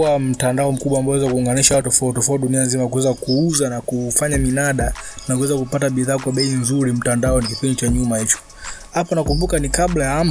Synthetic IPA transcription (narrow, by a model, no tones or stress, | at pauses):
am̩tandaɔm̩kuɓwaːmbawɛzakuːŋɡaniʃaatɔfautɔfautɗunianzimakuwɛzakuuzanakufaɲaminaɗanakuwɛzakupataɓiðaːkwaɓɛinzuɾim̩tandaɔnikipindit͡ʃaɲumahit͡ʃɔ̥ | hapɔnakumbukanikaɓlajaam